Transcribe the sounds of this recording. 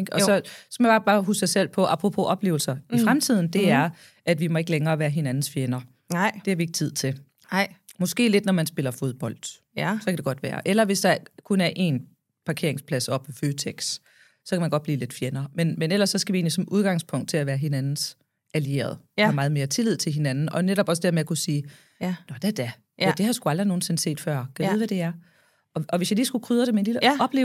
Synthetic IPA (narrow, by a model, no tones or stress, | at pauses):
eɡ̥ɒ̽sɒ̽sɒmjab̥ɑ̈ːb̥ɑ̈ːɦuːsɡ̥sɑɪsel̰pʰɒ̽ʔɑ̈pʰʁopʰo̝ʔɒ̽b̥le̝̰ːʊl̩sɐifʁamt͡sʰið̞̰ˠn̩d̥e̝æɐɐ | ʔæd̥ʋimɒ̽e̝ɡ̥əleŋɐːʋæːɐɦe̝nænn̩sfjenɐ | d̥e̝hæʋie̝ɡ̥ət͡sʰið̞̰ˠt͡sʰe̝l | mɒ̽sɡ̥e̝̰ːle̝d̥nɒmænsb̥e̝lɐfo̝ð̞ˠb̥ɒ̽l̰d̥ | sɒ̽kʰæd̥e̝ɡ̥ɒ̽d̥ʋæːɐʔelɐʋe̝sd̥ɑ̈kʰunæɐʔe̝̰n | pʰɑ̈kʰe̝ɐeŋspʰlæsɒ̽b̥eføːt͡sʰeɡ̥s | sɒ̽kʰæmænɡ̥ɒ̥b̥liːle̝d̥fjenɐːmenmenel̰ɐsːɒ̽sɡ̥æʋie̝ːnlisɒ̽mʔuð̞ˠɡ̥ɑ̈ŋspʰɔ̽ŋ̰d̥̚t͡sʰe̝læʋæːɐɦe̝nænn̩s | ælie̝̰ːɐ̰ð̞̩ˠ | mɑ̈ːð̞̩ˠme̝ɐt͡sʰe̝lið̞̰ˠt͡sʰe̝lɦe̝nænn̩ɒ̽neɾɒ̽b̥ɒsd̥eɐmeækʰusiː | nɒd̥æd̥æ | æd̥e̝hɑsɡ̥uɑld̥ʁino̝ːn̩se̝n̩se̝̰ːd̥fɶɐ̰kʰæʋeð̩ˠʋæd̥e̝æɐ | ɒɒ̽ʋesjɑ̈ɪliːsɡ̥ukʰʁyːðˠəɾ̥eme̝nliləɒ̽b̥le̝ːʊ